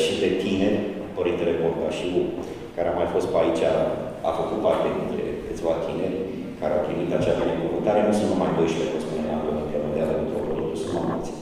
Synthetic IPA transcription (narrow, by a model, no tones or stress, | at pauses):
ʃit̪et̪ine̞rʲ | pəɾint̪eleport̪aʃiu | kaɾeamajfo̞st̪̚pait͡ʃʲa | a̰fəkut̪̚part̪ed̪int̪ɾe̞̰kɨt̪sʲvat̪ʰine̞rʲ | kaɾeawpɾimit̪at͡ʃast̪anekuvɨnt̪aɾe̞nusunt̪majd̪ojʃipefospunelaɡlod̪inp̪ɾəvend̪ealəint̪ɾo̰poɾikusumamult̪sʲ